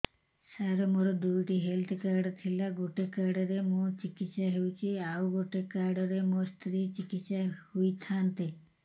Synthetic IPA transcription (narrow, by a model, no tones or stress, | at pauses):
saɾɔmuɾɔd̪ujʈiɦelt̪ʰkaɾɖt̪ʰilaɡoʈekaɾɖɔɾemũt͡ʃikit̪ːʃaɦewt͡ʃʰiawɡoʈekaɾɖɔɾemũst̪ɾit͡ʃikit̪ʃahujt̪ʰant̪e